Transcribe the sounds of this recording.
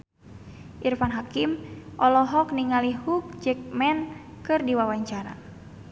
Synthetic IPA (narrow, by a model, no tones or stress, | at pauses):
ʔirfanɦakimʔɔlɔɦɔk̚niŋalihuk̚d͡ʒɛk̚mɛn | kɨrdiwawaɲt͡ʃaɾa̰